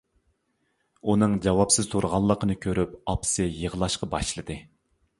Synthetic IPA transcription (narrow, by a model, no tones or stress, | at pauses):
unɨŋd͡ʒɑwɑpsɪz̥t̪ʰuɾʁɑlˠːəqənɨkʲʰøɾyp̚ɑpsɨjəʁəlˠɑʃqɑbɑʃlˠɨd̪ɨ